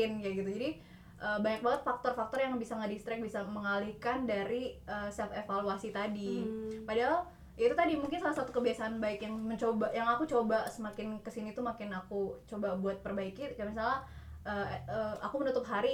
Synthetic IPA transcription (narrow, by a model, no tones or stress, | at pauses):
ɪnjaɡit̪ud͡ʒadi | ʔəbaɲak̚baŋət̪̚fak̚t̪ɔrfak̚t̪ɔrjaŋbisaŋədist̪ɾɪk̚bisaməŋalihkandaɾiəsɛfefaluasit̪adipadaɦal | ʔiait̪ut̪adimuŋkɪnsalahsat̪ukəbiasaːnbaɪkjaŋməɲt͡ʃobaʔjaŋakut͡ʃobasəmakɪnkəsinit̪umakɪnakut͡ʃobabuat̪̚pərbaikikamis̬alaʔəəakumənut̪ʊp̚ɦaɾi